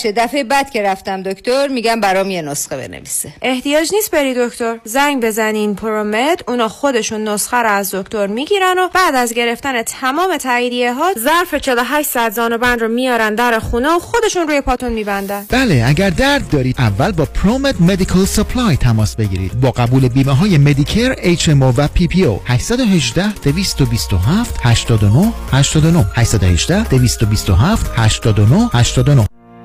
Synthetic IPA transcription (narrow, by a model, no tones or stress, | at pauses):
ʃed̪æfebæd̪̥̚cʰe̞ɾæft̪æmd̪okt̪oɾmiɟæmbæɾɔːmijenosxebḛnḛvḭseʔe̞ht̪ijɒːd͡ʒniːst̪̚be̞ɾid̪o̞kt̪o̞ɾzæŋɡbe̞zæninpʰoɾomed̪̥uːnɒːxo̞d̪e̞ʃunːosxæɾoæzd̪o̞kt̪o̞ɾmiɟiːɾæno̞b̥æːd̪æzɟe̞ɾe̞ft̪æne̞t̪ʰæmɒːme̞t̪ʰæiːd̪ijeɦɒːzæɾfet͡ʃʰeloɦæʃt̪sæd̪zɒːnobænd̪ɾomijɒːɾænd̪æɾexuːneoxo̞d̪e̞ʃunɾuːjepʰɒːt̪ʰonmiːbænd̪ænb̥æːle̞æɟæɾd̪æɾd̪̚ːɒːɾiːd̪ʔævːælbɒːpʰɾomed̪me̞d̪ikʰɑlsepʰlɒjt̪ʰæmɒːsbe̞ɟiːɾḭːd̪̥bɒːɡæbuːle̞biːmeɦɒːjeme̞d̪icʰeɾejt͡ʃʰemovæpʰipʰio̰hæʃsæd̪oɦe̞ʒd̪æhd̪̥e̞viːst̪obiːst̪oɦæft̪hæʃt̪ɒːd̪o̞nohhæʃt̪ɒːd̪o̞no̞hhæʃsæd̪o̰he̞ʒd̪æhd̪̥e̞viːst̪o̞bist̪o̞ɦæft̪hæʃt̪ɒːd̪onohhæʃt̪ɒːd̪onoh